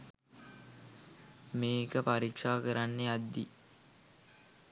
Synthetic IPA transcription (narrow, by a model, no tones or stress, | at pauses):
meːkəpaɾikʂaːkəɾanːead̪ːḭ